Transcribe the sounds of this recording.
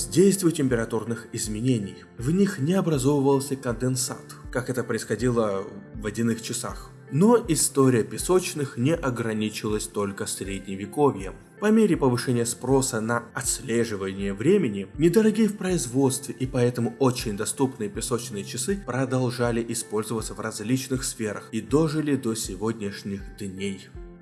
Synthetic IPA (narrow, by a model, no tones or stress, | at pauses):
zʲdʲejst̪vʲʊjtʲɪmʲpʲɪɾɐt̪urnɨxɪzmʲɪnʲenʲɪj | vnʲixnʲɪɐbɾɐzo̞vəvəlˠsʲəkənd̪ɨnsa̰t̪kakɛt̪əpɾəɪsxɐdʲilˠəvɐdʲɪnɨxt͡ɕɪsa̰x | no̞ʔɪst̪oɾʲɪjəpʲɪso̞t͡ɕnɨxnʲɪʔɐɡɾɐnʲit͡ɕɪlˠəsʲt̪o̞lʲkəsʲɾʲedʲnʲɪvʲɪkovʲjə̰ | pɐmʲeɾʲɪpəvɨʂɛnʲɪjəspɾo̞sənɐɐt̪sʲlʲeʐɨvənʲɪjəvɾʲemʲɪnʲɪnʲɪd̪əɾɐɡʲijəfpɾəɪzvo̞t̪st̪vʲɪʔipɐɛt̪əmʊot͡ɕɪnʲd̪ɐst̪upnɨjəpʲɪso̞t͡ɕnɨjət͡ɕɪsɨpɾəd̪ɐlˠʐalʲɪʔɪspo̞lʲzəvət̪səvrɐzʲlʲit͡ɕnɨxsfʲe̞ɾəxid̪oʐɨlʲɪd̪osʲɪvo̞d̪ʲnʲɪʂnʲɪxd̪nʲej